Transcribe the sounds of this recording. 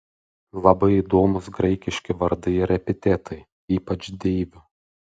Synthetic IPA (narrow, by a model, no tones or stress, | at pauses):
lˠɐbɐɪid̪oːmʊsɡɾɐɪkʲɪʃʲkʲɪʋɐɾd̪ɐɪɾʲɛpʲɪt̪ʲeːt̪ʰɐɪ | iːpɐt͡ʃʲd̪ʲeːʋʲʊ